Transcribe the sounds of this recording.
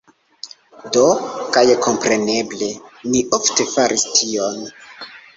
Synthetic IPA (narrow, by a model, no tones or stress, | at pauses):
do̞kajko̞mpɾe̞ne̞ble̞niʔofte̞faɾʔistʰion